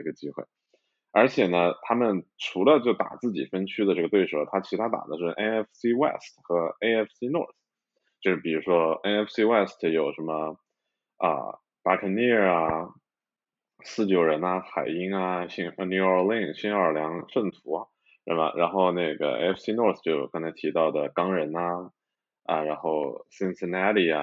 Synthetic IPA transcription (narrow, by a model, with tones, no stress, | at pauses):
ɡə˩t͡ɕi˥xwḛ˥˩ɪ | ə˞˧˥t͡ɕʰjɛ˨˩nə˦t̪ʰa˥mə˨nʈ͡ʂʰu˧˥lə˧t͡ɕjo˥˩ʊt̪a̰˨˩t͡sɹ̩˥˩t͡ɕḭ˨˩fə˥nt͡ɕʰy˥d̪ə˨ʈ͡ʂɤ˥˩ɡə˩t̪we˥˩ɪʂo˥˩ʊt̪ʰa˥t͡ɕʰi˧˥t̪ʰa˥t̪a̰˨˩d̪ə˦ʂɻ̩˥˩ʔɛ˥ɛ˥fsi˥wɛ̰˥˩stxɤ˧˥e˥ɪɛ˥˩fsi˥nɔ̰˥˩θ | t͡ɕjo˥˧ʂɻ̩˥˩pi˨˩ɻu˧˥ʂwɔ˥e˥ɛ˥fsi˥wɛ˥˩stʰjo˨˩ʊʂə˧˥nmə˧ | ə̰˧ | pa˥ʈ͡ʂʰə˧˥nni˥˩˧ɐə˧ | sɹ̩˥˩t͡ɕjo˨˩ʊɻə˧˥nɐ˧xa˨˩ɪi˥ŋɐ˧ɕi˥ŋə˧nju˥˩ə˞˧li˥˧ŋɕi˥ŋə˞˨˩ljɑ˧˥ŋʂə˥˩nt̪ʰu˧˥ɐ˧ | ʂə̰˥˩bɐ̰˩ɻa˧˥nxo˥˧ʊne˥˩ɪɡə̰˩ḛ˥ɪɛ˥fʰsi˥nwɔ˥˩θt͡ɕjo˥˩ʊkɑ˥ŋt͡sʰa˧˥ɪt̪ʰi˧˥t̪ɑ˥˩ʊd̪ə˩kɑ˥ŋɻə˧˥nɐ˧ | ə̰˧ɻa˧˥nxo˥˩ʊsi˥nsə˥˧næ˥ɾi˥˩ɐ̰˩